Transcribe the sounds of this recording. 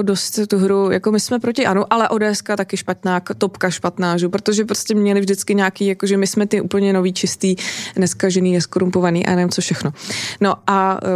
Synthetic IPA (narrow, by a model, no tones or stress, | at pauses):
odost̪t̪uɦɾujako̞mɪsmɛpɾocɪʔanuʔalɛʔo̞dɛːɛskat̪akɪʃpat̪naːkt̪opkaʃpat̪naːʒupɾot̪o̞ʒɛpɾoscʲɛmɲɛlɪvʒdɪt͡skɪɲaːkiːjakoʒɛmɪsmɛt̪ɪʔṵːpl̩ɲɛno̞viːt͡ʃɪst̪iːnɛskaʒɛniːnɛskoɾumpo̞vaniːʔa̰janɛvɪmt͡sofʃɛxno̞no̞ʔa